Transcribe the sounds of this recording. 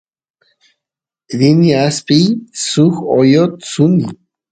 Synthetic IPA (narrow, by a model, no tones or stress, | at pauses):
ðiniaspisuxojott͡suni